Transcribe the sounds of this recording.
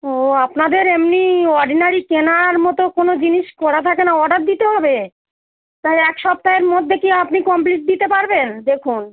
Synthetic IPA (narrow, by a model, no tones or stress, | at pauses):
oapnad̪eɾemniɔɾɖinaɾikenaɾmɔt̪okonod͡ʑiniʃkɔɾat̪ʰakenaɔɖaɾ̚d̪it̪eɦɔbe | t̪aɛkʃɔp̚t̪aeɾmod̪ʱːekiapnikɔmpliʈ̚d̪it̪epaɾbend̪ekʰun